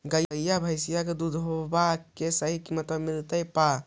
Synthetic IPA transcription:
ɡajjabʱajsijaɡɯdudʱɔbakesaɦikimatamiltajpa

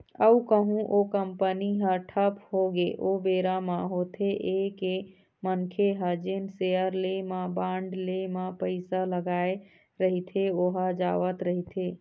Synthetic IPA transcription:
əukəɦũʔokəmpəniɦə̃ʈʰəpɦoɡeʔobeɾamãɦot̪ʰeʔeke | mənkʰeɦəd͡ʒenseəɾlemãbãɳɖlemapəɪsaləɡae | ɾəɦit̪ʰeoɦad͡ʒaʋət̪ɾəɦit̪ʰe

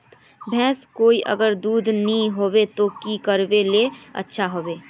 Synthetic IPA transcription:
t̪ | bʱɛ̃ːskoːiʔə̰ɡəɾd̪uːd̪ʱnəĩɦoːwet̪okikəɾweleə̰tːʃʰaɦoːweː

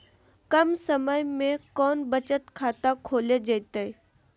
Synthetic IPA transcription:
kəmsəməjmẽkɔːnbət͡ɕət̪kʰat̪akʰoːled͡ʑejt̪əj

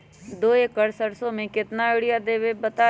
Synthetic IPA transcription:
d̪oːekəɽsəɽsõmẽkɪt̪naɪɽɪjad̪eːʋebət̪a

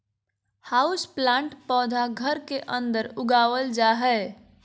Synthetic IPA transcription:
haːʊsplãːɳʈpɔːd̪ʱaɡʱəɾkeʔə̃nd̪əɾʊɡaːwəld͡ʒaːɦɛː

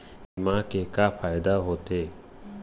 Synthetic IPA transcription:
ɪmãkekapʰaːjd̪aɦoːt̪eː

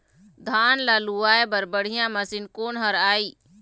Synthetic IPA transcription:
d̪ʱaːnlaːluaːebəɾbəɽ̤ijãmɐsɪnkoːnɦɐɾaːiː

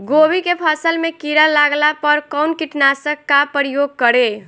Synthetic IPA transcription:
ɡobikepʰəsəlmekiɾəlaɡlapəɾkəʊnkiʈnasəkːapɾijoɡ̚kəɾe

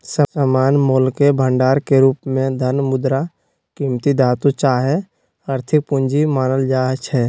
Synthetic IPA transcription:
səsəmaːnmoːlkebʱə̃ɳɖaːɾkeɾuːpmẽd̪ʱənmʊd̪ɾa | kiːmt̪id̪aːt̪ut͡ʃaːɦe | aːɾt̪ʰɪk̚pʊ̃ɲd͡ʒimaːnəld͡ʒaːɦt͡ʃʰɛː

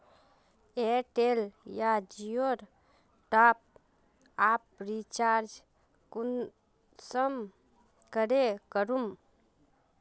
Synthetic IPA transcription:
eʈeljad͡ʒijoɾ | ʈap̚ | ap̚ɾit͡ʃaɾd͡ʒ | kun | səm | kəɾekəɾum

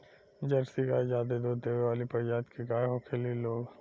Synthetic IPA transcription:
d͡ʒɐɾsiɡaːid͡ʒaːd̪ed̪od̪eːʋeʋaːlipɐɾd͡ʒaːt̪kiɡaːjɦokʰeːliloːɡ

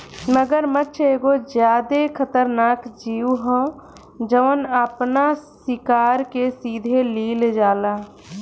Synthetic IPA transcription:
məɡəɾmətːt͡ʃʰeːɡod͡ʒjaːd̪ekʰət̪əɾnaːkd͡ʒiːuɦə̃ | d͡ʒəʋənəpnassɪkaːɾkesiːd̪ʱeliːld͡ʒaːlaː

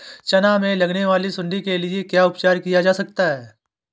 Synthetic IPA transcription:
t͡ʃɐnamẽlɐɡneʋaːlisʊ̃ɳɖikelɪekjaːʊpt͡ʃaːɾkijad͡ʒaːsɐk̚t̪aɦɛː

